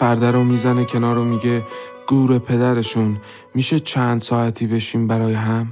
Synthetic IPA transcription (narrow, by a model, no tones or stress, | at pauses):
pæɾd̪æɾomiːzæne̞cʰe̞nɒːɾomiːɟe̞ | ɡ̥uːɾe̞pʰe̞d̪æɾe̞ʃun | miːʃe̞t͡ʃʰænd̪sɒːæt̪ʰiːbe̞ʃiːmbæɾɒːjeɦæm